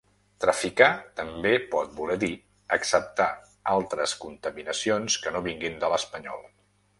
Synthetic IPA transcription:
t̪ɾəfikat̪əmbepɔt̪̚bulɛði | əksəp̚t̪a | alˠt̪ɾəskunt̪əminəsionskənoβiŋɡind̪ələspəɲɔ̰lˠ

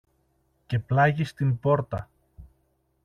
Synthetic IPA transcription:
ce̞plɐʝist̪imbo̞ɾt̪ɐ

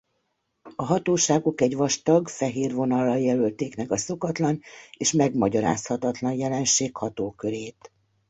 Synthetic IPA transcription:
ɒɦɒt̪oːʃaːɡokɛɟʋɒʃt̪ɒɡfɛɦeːrvo̞nɒlːɒjɛlølt̪eːknɛɡɒso̞kɒt̪lɒneːʃmɛɡmɒɟɒɾa̰ːshɒt̪ɒt̪lɒnjɛlɛnʃeːkhɒt̪oːkøɾeːt̪

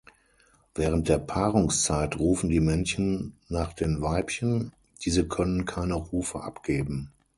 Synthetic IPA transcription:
v̥ɛːʁ̞ənt̚d̥eːɐpʰaːʁʊŋst͡saɪtʁuːfn̩diːmɛnçənːaːχd̥eːnvaɪpçən | d̥iːzəkʰœnənkʰaɪnəʁuːfəʔa̰pɡ̥eːbm̩

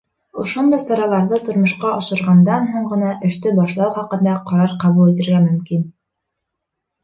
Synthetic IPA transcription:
ŏʃond̪ɑjsɑɾɑlˠɑɾðɤt̪ŏɾmŏʃqɑɑʃɤ̆ɾʁɑnd̪ɑnɦoɴɢɤ̆nɑʔɘ̆ʃt̪ɘbɑʃlˠɑwχɑqɤ̆nd̪ɑqɑɾɑɾqɑβulˠit̪ɘ̆ɾɡæmɵ̆mkin

